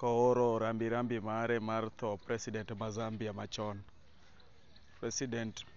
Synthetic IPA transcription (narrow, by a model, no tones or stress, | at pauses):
kɔoɾɔɾambiɾambimaɾɛmart̪ɔpɾɛsidɛntmazambiamat͡ʃɔn | pɾɛsidɛnt